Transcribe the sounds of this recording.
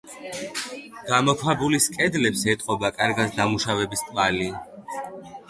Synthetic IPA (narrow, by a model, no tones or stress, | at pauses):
ɡ̥amɔkʰwabuliskʼɛd̪lɛpsɛt̪ʼqʼɔbakʼaɾɡasd̪amuʃavɛbiskʼvali